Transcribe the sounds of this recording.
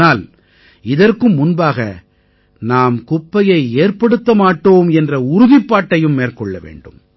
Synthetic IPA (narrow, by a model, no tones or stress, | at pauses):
aːl | ɪðɐrkɯmːʊnbaːɣɐ̰ | naːmkʊpːɐjɐɪeːrpɐɽɯt̪ːɐmaːʈːoːmɛndrɐʊɾʊðɪpːaːʈːɐjɯmːeːrkɔɭːɐ̰ʋḛːɳɖɯm